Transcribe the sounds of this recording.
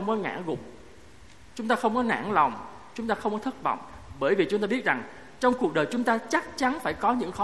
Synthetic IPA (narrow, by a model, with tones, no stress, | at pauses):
ə˧wŋ͡mkɔ˨˦ŋa̰ː˧˥˩ɣʊ̰˧˨ŋ͡m̚ | t͡ɕʊ˨˦ŋ͡mt̪aː˧xə˧wŋ͡mkɔ˨˦na̰ː˧˥˩nlɔ˨˩wŋ͡m | t͡ɕʊ˨˦ŋ͡mt̪aː˧xə˧wŋ͡mkɔ˨˦t̪ʰt̚vɔ̰˧˨wŋ͡mɓəː˧˩jvi˨˩t͡ɕʊ˨˦ŋ͡mt̪aː˧ɓi˦˥t̚za˨˩ŋ | t͡ɕɔ˧wŋ͡mku˨˩k̚ɗəː˨˩jt͡ɕʊ˨˦ŋ͡mt̪aː˧t͡ɕa˦˥k̚t͡ɕa˨˦nfaː˧˩jkɔ˨˦ɲɨ̰˧˥ŋxɔ˨˦